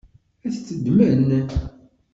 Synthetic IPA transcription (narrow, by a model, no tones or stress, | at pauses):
æθt͡sːəd̪məɾənːæ